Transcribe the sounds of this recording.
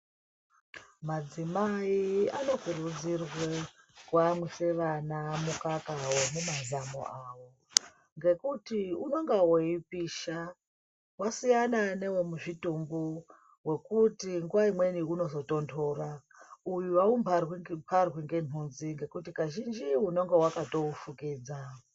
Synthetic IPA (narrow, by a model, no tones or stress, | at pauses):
mad͡zimaiano̞kurud͡zirwe | kwamwese̞ʋanamukakawe̞mumazamo̞̰awo̞ | ŋɡe̞kutiuno̞ŋɡawoipiːʃa | wasijanane̞wo̞muʐitumbu | we̞kutiŋɡuwaimwe̞niuno̞zo̞to̞ndʰoːra | ujuwaumparwpʰarwiŋɡe̞nunziŋɡe̞kutikaʒind͡ʒiuno̞ŋɡe̞wakato̞ufukiːd͡za